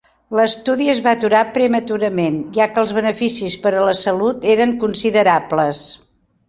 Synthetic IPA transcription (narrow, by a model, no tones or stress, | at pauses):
ləst̪uðiəzβat̪uɾapɾəmət̪uɾəmenʒakəlˠzβənəfisispəɾələsəlut̪eɾəŋkunsiðəɾapləs